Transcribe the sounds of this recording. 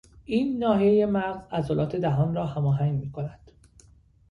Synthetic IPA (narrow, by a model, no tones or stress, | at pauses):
ʔiːnːɒːhijeje̞mæɾzæzɒlɒːt̪ʰe̞d̪æɦɒːnrɒːhæmɒːɦæŋɡmiːkʰonæd̪̥